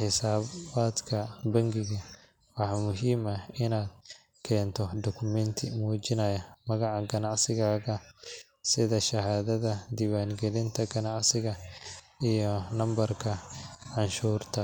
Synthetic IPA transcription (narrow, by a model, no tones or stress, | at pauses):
ħɪsaːbaːd̪kʰɐbɐŋɡɪɣɐ | wɑħɑmʊɦiːmɐɪnaːd̪̚ | kʰɛːnt̪ʰɔd̪ɔkʰʊmɛnt̪ʰɪmuːd͡ʒɪnɐjɐmɐɣɑʕɑɡɐnɑʕsɪɣaːɣɐ | sɪðɐʃɐɦaːðɐðɐd̪iwaːŋɡɛlɪnt̪ʰɐɡɐnɑʕsɪɣɐʔijɔnɐmbɐrkʰɐʕɑnʃuːrt̪ʰɐ